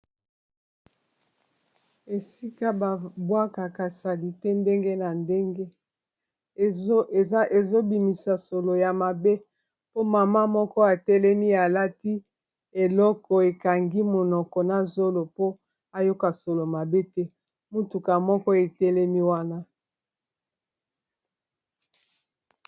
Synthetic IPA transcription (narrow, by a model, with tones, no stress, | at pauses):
e˨si˦ka˦ba˨bwa˦ka˨ka˨sa˨li˦tɛ˦nde˦ŋɡe˦na˨nde˦ŋɡe˦˨˦ | e˨zo˦bi˨mi˨sa˨so˨lo˨ja˨ma˨be˦ | po˦ma˨ma˦mɔ˦kɔ˦a˨tɛ˦lɛ˦mi˦a˨la˦ti˦ | e˨lɔ˦kɔ˨e˨ka˨ŋɡi˦mo˨nɔ˨kɔ˨na˨zo˦lo˨po˦ | a˨jo˦ka˨so˨lo˨ma˨be˦tɛ˦ | mo˦tu˨ka˨mɔ˦kɔ˦e˨tɛ˦lɛ˦mi˦wa˦na˦